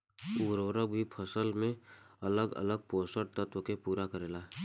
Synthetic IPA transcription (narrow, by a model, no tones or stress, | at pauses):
uːɾoːɾəbʱipʰəsəlmẽələɡə̰ləɡ̚poːsəɽ̚t̪ət̪wəkepuːɾakəɾeːlaː